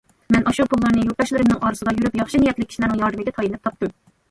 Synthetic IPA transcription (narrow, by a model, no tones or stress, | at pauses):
mɛnʔɑʃupʰulˠːɑɾnɨjuɾt̪ɑʃlˠɨɾɪmnɨŋʔɑːɾɨsɨd̪ɑjyɾypjɑχʃinijɛt̪lɪkʲʰi̥ʃilæɾnɪŋjɑɾd̪ɨmɪɡʲɛt̪ʰɑjinlɨp̚t̪ɑp̚t̪ɨm